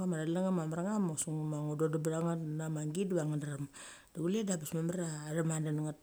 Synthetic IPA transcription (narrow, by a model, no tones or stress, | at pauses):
amaɾalaŋamamaɾaŋamosuŋmaŋododabiɾaŋanamaŋɡidβaŋandaɾam | d̥aɡuledabismamaɾaɾamandanaŋat